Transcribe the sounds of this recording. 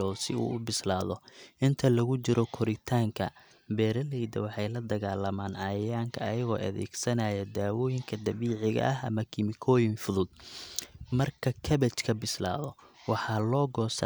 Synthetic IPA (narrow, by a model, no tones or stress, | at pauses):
ɔːsɪṵːʊbɪslaːðɔʔɪnt̪ʰɐlɐɣʊt͡ʃɪɾʔɔkʰɔɾɪt̪ʰaːŋkʰɐ | bɛːɾɐlɛjd̪ɐ̰wɑħɑjlɐd̪ɐɣaːlɐmaːnɐjjaːŋkʰɐʔɐjɐɣɔːʔɐðɛ̰ːɡsɐnaːjɐd̪aːwɔːjɪŋkʰɐd̪ɐβiːʕɪɣɐ̰ʔɐɦɐ̰mɐkʰɪmɪkʰɔːjɪnfʊðʊd̪ | mɐrkʰɐkʰɐβɛt͡ʃkʰɐbɪsla̰ːðɔwɑħɑːlɔːɡɔːsɐ̰